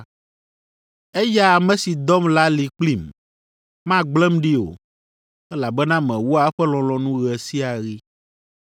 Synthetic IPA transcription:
ɛ˦ja˦˨mɛ̃˨˦si˨d̪ɔ˦mla˦li˨k͡pli˦m | mã˦ɡ͡blɛ˦mɖi˦o̰˨ | ɛ˦la˨bɛ˦nã˦mɛ̃˨wu˦a˨ɛ˦ɸɛ˦lɔ̃˨lɔ̃˨nũ˦ɣɛ˨si˦a˨ɣi˦

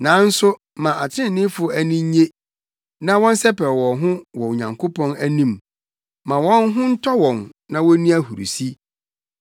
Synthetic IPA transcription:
nã˨˦n̩˦sʊ˦ | mã˨ʔa˨t͡ɕʰɪ˦ɪ̃˦n˨nɪ̃˦fʊ˨æ˨nĩ˦ɲ˦ɲe˦ | nã˦wɔ̃˦n˦sɛ˦pɛ˨wɔ̃˨ɦʊ̃˦wɔ˨o˨ɲã̰˨ŋkʰo˦pʰɔ̃˦næ˦nĩ˦m | mã˨wɔ̃˦nɦʊ̃˦n̩˦tʰɔ˦wɔ̃˨nnã˨wɔ˦nĩ˦æ˦hu˨ɾṵ˨si˦

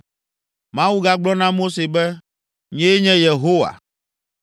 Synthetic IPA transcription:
mã˦wu˦ɡa˦ɡ͡blɔ˦nã˦mo˦se˨bɛ˦ | ɲɛ̃˦e˦ɲɛ̃˦je˨ɦo˦wa̰˨

